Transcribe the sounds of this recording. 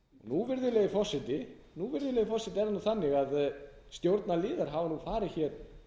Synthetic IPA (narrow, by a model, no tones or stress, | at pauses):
ɔ̰ɣnuvɪɾðʏlejɪfɔsːɪt̪ɪ | nuvɪɾðʏleːjɪfɔsɪt̪ɪɛɾðanaθanːɪɣaðst̪jowɾt̪nalɪːðaɾ̥ɦaːvanufaːɾɪçɛːɾ̥